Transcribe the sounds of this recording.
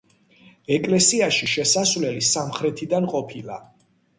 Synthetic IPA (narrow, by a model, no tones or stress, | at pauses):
ɛkʼlɛsiaʃiʃɛsasvlɛlisamχɾɛt̪ʰid̪anqʼɔpʰilˠa̰